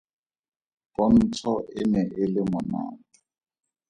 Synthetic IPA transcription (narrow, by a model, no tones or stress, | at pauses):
pɔn̩t͡sʰɔɪnɛʔɪlɪmʊna̰ːtɔ